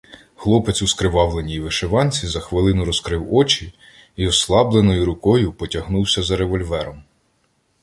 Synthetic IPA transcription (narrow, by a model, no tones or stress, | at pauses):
xlˠɔpet͡s̪ʲuskɾɪʋɑʋlˠe̞nʲijʋeʃeʋɑnʲt͡sʲizɐxʋɪlˠɪnʊɾɔskɾɪwɔt͡ʃi | iɔslˠɑblˠenɔjʊɾʊkɔjʊpɔtʲɐɦnuwsʲɐzɐɾeʋɔlʲʋɛɾɔm